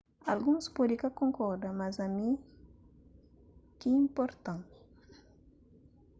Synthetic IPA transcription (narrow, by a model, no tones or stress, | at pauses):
alɡuŋspod̪ikakoŋkɔɾd̪amazami | kiimpɔɾt̪ãŋ